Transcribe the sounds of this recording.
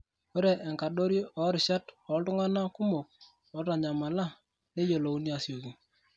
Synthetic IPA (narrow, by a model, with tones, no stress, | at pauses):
o˦ɾɛ˨ʔɛ˨ŋka˨ɗo˦ɾjʔɔ˨˦ɾɪ˨ʃa˦tɔ˨˦tʊ˦ŋa˦na˦kʊ˦mo˨k̚ | ɔ˨˦ta˨ɲa˨ma˨la˦ | ne˦jo˨lo˨u˦nja˨sjo˨ki˨ŋ